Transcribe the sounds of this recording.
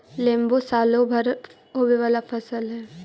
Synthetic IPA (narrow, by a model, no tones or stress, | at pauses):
lẽːmbosaːlobʱəɾ | ɦoːʋeʋaːlafʰɐsəlɦɛː